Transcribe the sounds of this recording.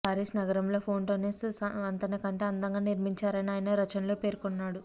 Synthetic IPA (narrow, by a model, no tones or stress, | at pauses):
paːɾeːsnɐɡɐɾɐmlo̞ːpʰo̞ːnʈoːneːssɐɐnt̪ɐnɐkɐɳʈe̞ːɐnd̪ɐŋɡaːniɾmiɲt͡ʃaːɾɐniaːjɐnɐɾɐt͡ʃɐnlo̞ːpe̞ːɾkɔnːaːɽu